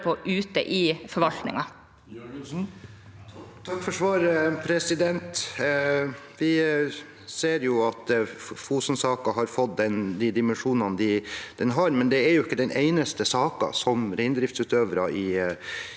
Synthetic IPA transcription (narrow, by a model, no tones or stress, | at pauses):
pʰoʔʉːt̪əʔɪfɔɾʋɑlt̪nɪ̰ŋɑ | t̪ʰɑkːfɔʂʋɑːɾəpʰɾɛsɪd̪ɛnt̪ | ʋɪ | seːɾjʊɑt̪fuːsn̩sɑːkɑɦɑɾfɔt̪̚d̪ɛnd̪ɪd̪ɪmɛnʂuːnɑnd̪ɪd̪̥ɛnɦɑɾmɛnd̪ɛæɾjʊɪkːəd̪ɛnʔeɪnəst̪əsɑːkɑ̰sɔmɾɛɪnd̪ɾɪft̪sʉːt̪øːʋɾɑɪ